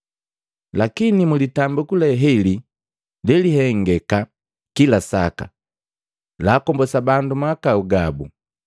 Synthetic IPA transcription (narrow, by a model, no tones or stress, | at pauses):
lakinimulitambukulɛɦɛli | lɛliɦɛŋɡɛka | kilasa̰ka̰ | laːkɔmbɔsabandumakauɡabṵ